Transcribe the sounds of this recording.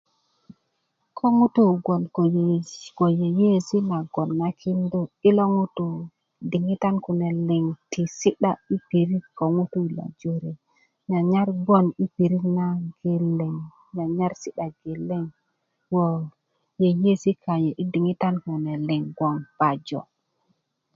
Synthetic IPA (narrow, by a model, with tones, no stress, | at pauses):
kʰo˦ŋu˦tu˦˨ɡo˨nko˨jɡo˨je˨je˦si˦na˨ɡo˨nːa˦kʰi˦ndo˦i˦lo˦ŋu˦tu˨ | di˨ŋi˦ta˦nku˨ne˨le˨ŋtʰi˨si˦ɗa˨i˦pi˨ɾi˦kko˨ŋu˦tu˦˨la̰˨d͡ʒo˦ɾe˨ | ɲa˨ɲa˦ɾɡo˦ni˦pi˨ɾi˦kna˦ɡ̥e˨le˨ŋ | ɲa˨ɲa˦ɾsi˦ɗa˨ɡe˨lːe˦ŋ | wo˨ | je˨je˦si˦ka˨je˨ʔi˦di˨ŋi˦ta˦nku˨ne˨le˨ŋɡwo˨ŋb̥a˨d͡ʒo̰˨